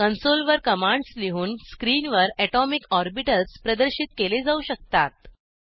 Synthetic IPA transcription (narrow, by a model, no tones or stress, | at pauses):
kənsolʋəɾkəmãɳɖsliɦuːnskɾiːnʋəɾɛʈɔmikɔɾbiʈəlspɾəd̪əɾɕit̪̚keled͡zauɕək̚t̪at̪̚